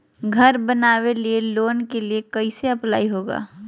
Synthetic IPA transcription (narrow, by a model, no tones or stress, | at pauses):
ɡʱɐɾbənaːwelieloːnkeliekɐiseɐplaːiɦoːɡa̰ː